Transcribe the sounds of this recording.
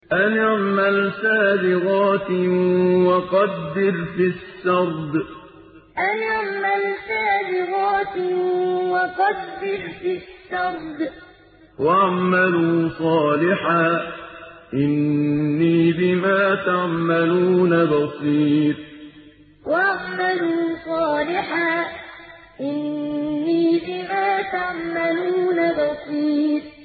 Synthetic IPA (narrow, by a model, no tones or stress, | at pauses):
ʔanɪʕmalsaːbɪɣɑːt̪ | wɑqɑd̪ːɪɾfɪʃːɑɾˤd̪ | ʔanɪʕmalsaːbɪɣɑːt̪ | wɑqɑd̪ːɪɾfiʃːɑɾˤd̪ | waʕmaluːsˤɑːlɪħaː | ʔɪnːiːbɪmaːt̪aʕmaluːnabɑsˤiːt̪̚ˤ | waaʕmaluːsˤɑːlɪħaː | ʔɪnːiːbɪmaːt̪aʕmaluːnabɑsˤiːt̪̚ˤ